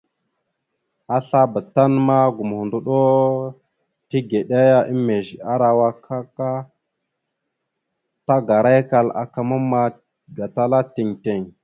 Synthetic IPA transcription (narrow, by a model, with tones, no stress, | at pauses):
a˦ɬa˦ba˨ta˦nma˦ɡu˨m˨hu˨ndu˦ɗo˦ | ti˦ɡe˨ɗa˦ja˦ʔi˦mːe˨ʒa˦ɾa˨wa˦kʰa˦ka˦ | ta˦ɡa˨ɾa˦jka˦la̰˨ka˨ma˦mːa˦ | ɡa˨ta˦la˦ti˨ŋte˨ŋ